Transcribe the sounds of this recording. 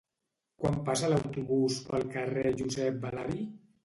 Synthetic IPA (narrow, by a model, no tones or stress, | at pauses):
kwampasəlawt̪uβuspəlˠkəreʒuzɛp̚balaɾi